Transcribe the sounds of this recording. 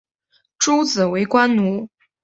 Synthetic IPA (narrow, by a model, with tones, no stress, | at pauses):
ʈ͡ʂu˥t͡sɹ̩˨˩we˧˥ɪkwa˥nnu˧˥